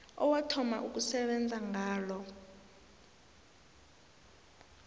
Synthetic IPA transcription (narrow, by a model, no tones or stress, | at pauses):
ɔwatʰɔma̰ʔuk̬usɛɓɛnd͡zʱaŋʱaːlɔ